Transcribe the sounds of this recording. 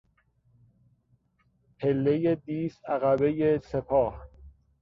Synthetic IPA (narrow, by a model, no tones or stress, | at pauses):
pʰelːejed̪iːsæɣæbe̞jese̞pʰɒːh